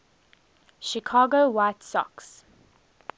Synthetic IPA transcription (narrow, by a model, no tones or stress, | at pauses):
ʃikʰɑːɡowaɪtsɔ̰ks